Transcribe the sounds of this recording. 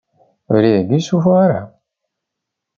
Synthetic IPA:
ɾiðnisufʁaɾa̰

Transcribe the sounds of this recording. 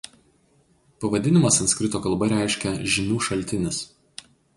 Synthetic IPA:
pɐʋɐd̪ʲɪnʲɪmɐsɐnt̪skʲɾʲɪt̪oːkɐlˠbɐɾʲæˑɪʃʲkʲɛʒʲɪnʲuːʃɐlʲt̪ʲɪnʲɪs

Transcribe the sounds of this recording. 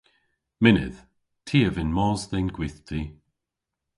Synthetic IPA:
mɪnɪ̰ð̥ | tʰiːəvɪnmɔːzðɪnɡwiθt̪ʰi

